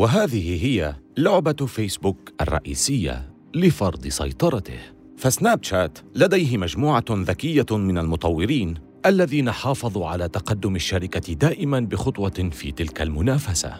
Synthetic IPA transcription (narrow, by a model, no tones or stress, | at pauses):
waɦaːðɪhɪɦɪjalʊʕbafejsbuːkʔɑ̰rˤːɑ̰ʔḭːsɪjːa̰ | lɪfɑɾˤd̪ˤɨsɑ̰jt̪ˤɑɾˤɑt̪ɪ̰h | fasnaːb̚t͡ʃaːt̪lad̪ajɦɪmad͡ʒmuːʕaðakɪjːamɪnalmʊt̪ˤɑwːɪɾiːn | ʔalːaðiːnaħɑːfɑðˤuːʕa̰laːt̪aqɑd̪ːʊmaʃːaɾɪkad̪aːʔɪmanbɪxʊt̪ˤwɑfḭːt̪ɪlkalmʊnaːfasa̰